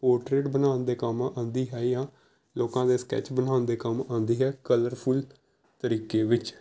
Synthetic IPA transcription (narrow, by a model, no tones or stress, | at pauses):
poːɾʈɾeːʈbənaːnd̪eːkamãʔãːnd̪iːɦɛːjãː | loːkãːd̪eːskɛ̰ːt͡ʃbənaːnd̪eːkəmãːnd̪iːɦɛːkələɾpʰul | t̪əɾiːkeːʋɪt͡ʃ